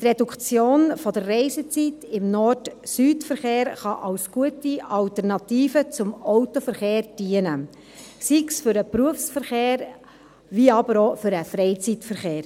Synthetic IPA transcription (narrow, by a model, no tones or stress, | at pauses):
t̪redukt͡sjoːnfɔd̪ərːɛɪzət͡sitɪmnɔrdsyːtfəɾχeːɾχɑʔɑwsɡ̥uətiɑltɛɾnɑtiːfət͡sʊmɔʊtofəɾχeːɾd̥iənə | siksfʏɾəpɾuəfsfəɾχeːɾ | viɑbəɾofʏɾəfɾɛɪt͡sitfəɾχeːɾ